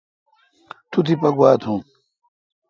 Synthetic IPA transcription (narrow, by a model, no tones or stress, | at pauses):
t̪ut̪ʰipɐɡwaːt̪ʰũː